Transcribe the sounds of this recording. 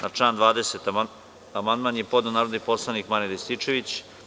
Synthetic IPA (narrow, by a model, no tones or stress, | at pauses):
nʔaʈ͡ʂaːnd̪ʋaːd̪eset̪ | amand̪manjepod̪nanaːɾod̪nipo̞slˠanikmanid̪est̪it͡ʂe̞ʋit͡ɕ